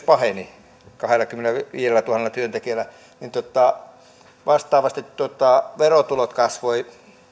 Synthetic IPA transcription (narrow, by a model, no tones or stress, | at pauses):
pɑheni | kɑhelːˑɑkymːenæʋiːjelːˑæt̪uhɑnelːˑɑt̪yønt̪ekiælːˑæ | nint̪ot̪ɑ | ʋɑst̪ɑːʋɑst̪it̪tot̪ɑʋerot̪ulot̪kɑsʋoi